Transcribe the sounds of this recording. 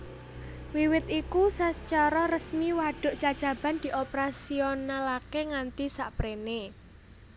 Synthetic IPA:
wiwɪt̪ikusət͡ʃaɾɔrəsmiwaɖ̥ʊ̤ʔt͡ʃḁd͡ʒ̥a̤b̥a̤nd̪̥i̤ʔopɾasionalakeŋant̪isaʔpɾene

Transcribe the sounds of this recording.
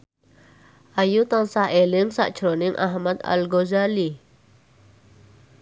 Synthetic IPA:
ʔajut̪aŋsahelɪŋsa̰ʔd̥ʒ̥ɾonɪŋʔa̰ɦmat̪a̰lɡozali

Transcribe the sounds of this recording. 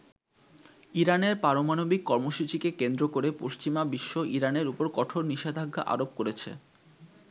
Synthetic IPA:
iɾaneɾpaɾomanobikːɔɾmoʃut͡ɕikekend̪ɾokoɾepoʃt͡ɕimabiʃːoʔiɾaneɾupoɾkɔʈʰoɾniʃed̪ʱaɡːa̰ʔa̰ɾop̚koɾet͡ɕʰḛ

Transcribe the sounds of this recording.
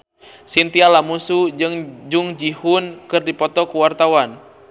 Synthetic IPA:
sint̪ialamusud͡ʒɨŋd͡ʒuŋd͡ʒihunkɨrdipɔt̪ɔkuwart̪awan

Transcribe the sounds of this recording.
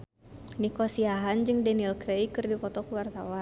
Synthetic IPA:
nikosiaɦand͡ʒɨŋdɛnilkɾejkɨrdipɔt̪ɔkuwart̪awa

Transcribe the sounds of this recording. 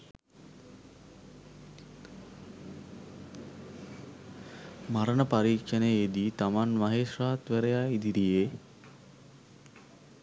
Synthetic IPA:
maɾənəpaɾiːkʂəneed̪iːt̪amanmaɦeːʂraːt̪ʋeɾejaid̪iɾije

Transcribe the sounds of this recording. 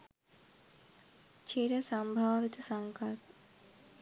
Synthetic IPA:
t͡ʃʰiɾɐsɐmbʱaːʋit̪ɐsɐŋkɐt̪

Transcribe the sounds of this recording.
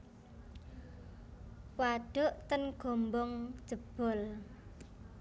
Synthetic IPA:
waɖ̥ʊ̤ʔt̪ənɡ̥ombɔŋ̥ʒ̥əb̥ɔl

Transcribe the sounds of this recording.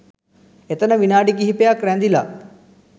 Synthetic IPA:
et̪ənəʋinaːɖik̬iɦipejakɾɛnd̪ila̰

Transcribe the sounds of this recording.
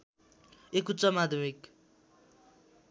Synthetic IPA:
ekut͡sʌmad̪ʱmik

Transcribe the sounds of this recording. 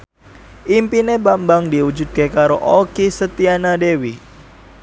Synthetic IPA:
ʔimpinebambaŋdiwud͡ʒut̪̚kekaɾoʔokisət̪ianadewi

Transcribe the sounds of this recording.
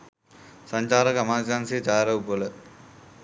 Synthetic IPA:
sɐɲt͡ʃaːɾɐkɐmaːsaːnsit͡ʃaːɾɐwpolɐ

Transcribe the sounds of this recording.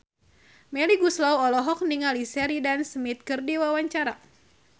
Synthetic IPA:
mɛliɡuslawɔlɔɦɔk̚niŋalisɛɾidansmit̪̚kɨrdiwawaɲt͡ʃaɾa

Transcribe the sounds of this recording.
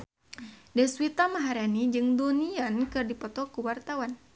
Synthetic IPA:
dɛswit̪amaɦaɾanid͡ʒɨŋduniankɨrdipɔt̪ɔkuwart̪awan

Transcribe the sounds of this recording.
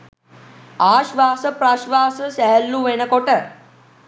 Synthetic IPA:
aːʃʋaːsɐpɾaʃʋaːsɐsɛɦəlːuʋenɐkoʈə

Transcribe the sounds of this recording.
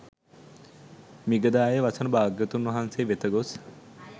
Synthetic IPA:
miɡɐd̪aːjəʋɐsɐnɐbaːɡjɐt̪unːʋɐɦanseːʋet̪ɐɡos

